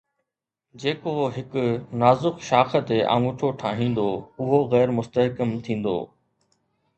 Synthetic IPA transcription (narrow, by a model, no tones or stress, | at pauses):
d͡ʑeːkoɦɪkʊnaːzʊxʃaːxə̆t̪eʔã̰ːŋʊʈʰoʈʰaːɦĩːn̆d̪oʊɦoɣɛːɾmʊst̪əɦkəmt̪ʰĩːn̆d̪o̰ː